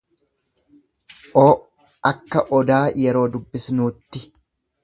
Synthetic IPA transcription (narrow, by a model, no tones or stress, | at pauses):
ʔoː | ʔɐkːɐʔɔd̪aːjɛɾo̞ːd̪ʊbːɪsnuːt̪ːɪ